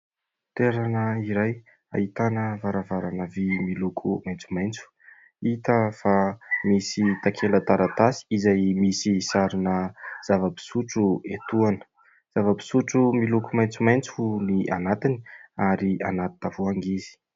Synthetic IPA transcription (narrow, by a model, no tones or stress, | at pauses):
t̪eɾanəiɾaj | a̰it̪anəvaɾavaɾanəvimilukʰumajnt͡sumajnt͡su̥ | it̪əfamisit̪akʰenlət̪aɾat̪asi̥izajmisisaɾinəz̥avəbi̥suʈ͡ʂuet̪uanə̥ | z̥avəbi̥suʈ͡ʂumilukumajnt͡sumajnt͡sunia̰nat̪ini̥aɾia̰nat̪t̪avuaŋɡizi̥